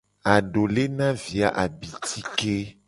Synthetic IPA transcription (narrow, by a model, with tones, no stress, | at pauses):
a˨ɖo˨le˦nã˦vi˨a̰˨ʔa˨bi˨t̪i˦ke˦